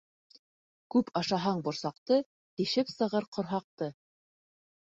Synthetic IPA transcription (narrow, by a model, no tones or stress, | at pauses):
kʉpʰɑʃɑɦɑɴbŏɾsɑqt̪ɤ | t̪ĭʃɘpsɤ̆ʁɤɾqŏɾɦɑq̚t̪ɤ